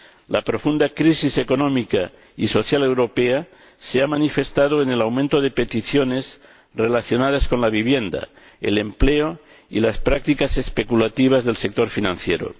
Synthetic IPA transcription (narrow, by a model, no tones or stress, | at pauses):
lapɾo̞fund̪akɾisiseko̞nõmika | iso̞θjale̞wɾo̞pea | seamanife̞st̪að̞oenelawmẽnt̪oðe̞pe̞t̪iθjonez | re̞laθjo̞nað̞asko̞nlaβiβje̞nd̪a̰ | ḛlempleo | ilaspɾak̚t̪ikase̞spekulat̪iβ̞azðelsek̚t̪o̞ɾfinãnθjeɾo̰